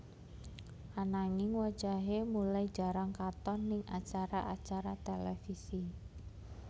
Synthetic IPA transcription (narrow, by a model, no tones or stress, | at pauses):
ʔanaŋɪŋwad̥ʒ̥a̤ɦemulai̥d͡ʒ̥a̤ɾaŋkat̪ɔnːɪŋʔat͡ʃaɾaʔat͡ʃaɾat̪elɛfisi